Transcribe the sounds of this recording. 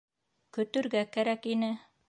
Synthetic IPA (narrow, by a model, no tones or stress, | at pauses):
kɵ̆t̪ɵ̆ɾɡækæɾækinɘ